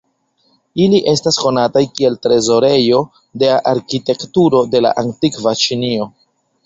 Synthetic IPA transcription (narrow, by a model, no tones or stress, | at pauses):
iliʔe̞stasko̞natajkie̞ltɾe̞zo̞ɾe̞jo̞ | de̞aʔaɾkite̞ktuɾo̞de̞la̰ʔantikvat͡ʃinio̞